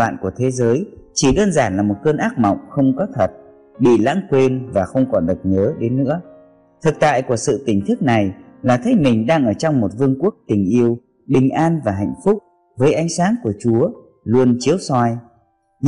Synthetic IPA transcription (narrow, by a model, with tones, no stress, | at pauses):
a̰ː˧˨nku˧˩ət̪ʰe˨˦zəː˨˦jt͡ɕi˧˩ɗəː˧nzaː˧˩nlaː˨˩mo˨˩t̚kəː˧nʔaː˦˥k̚mɔ̰˧˨wŋ͡mxə˧wŋ͡mkɔ˨˦t̪ʰə˨˩t̚ | ɓḭ˧˨la̰ː˧˥ŋkwe˧nvaː˨˩xə˧wŋ͡mkɔ˨˦nɗɨ˨˩t̚ɲəː˨˦ɗe˨˦nːɨ̰˧˥ə | t̪ʰɨ˨˩k̚t̪a̰ː˧˨jku˧˩əsɨ̰˧˨t̪ï˨˩ŋ̟t̪ʰɨ˦˥k̚na˨˩jlaː˨˩t̪ʰə˨˦jmï˨˩ŋ̟ɗaː˧ŋʔəː˧˩t͡ɕɔ˧wŋ͡mmo˨˩t̚vɨ˧əŋku˦˥ək̚t̪ï˨˩ŋ̟ʔi˧əw | ɓï˨˩ŋ̟ʔaː˧nvaː˨˩ɦa̰˧˨jŋ̟fʊ˦˥k͡p̚ | vəː˨˦jʔa˨˦jŋ̟saː˨˦nku˧˩ət͡ɕu˨˦ə | lu˧ənt͡ɕi˨˦əwsɔ˧j | ɲ